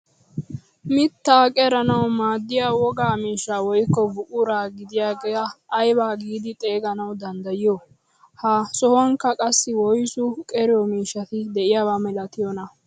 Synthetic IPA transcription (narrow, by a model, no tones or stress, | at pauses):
mɪt̪ːaːkʼɛɾɐnɐwmaːd̪ːɪjawɔɡaːmiːʃːawɔjkːɔbʊʔʊɾaːɡɪd̪ɪjaːɡaːjbaːɡiːd̪ɪt̪ʼe̞ːɡɐnɐwd̪ɐnd̪ɐjɪjɔ | hɐsɔhɔŋkːɐkʼɐsːɪwɔjsʊkʼɛɾɪjɔmiːʃːɐt̪ɪd̪ɛʔɪjawaːmɛlɐt̪ɪjɔnɐ